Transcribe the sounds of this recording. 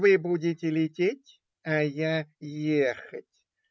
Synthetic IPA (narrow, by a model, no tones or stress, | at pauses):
vɨbudʲɪtʲɪlʲɪtʲetʲ | ajajexətʲ